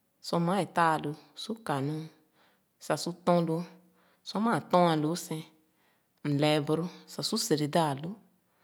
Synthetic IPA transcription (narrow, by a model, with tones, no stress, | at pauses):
sɔ˧mã˨˦e˨t̪a˦˨lo˧su˦ka˨nũ˦ | sa˨su˦t̪ɔ̃˦lo˧ | sɔ˧mã˦˨t̪ɔ̃˦ã˧˨lo˨˦sɛ̃˧ | m̩˨lɛ˨bɾo˦sa˨su˦se˨ɾe˨da˦a˨lo˨˦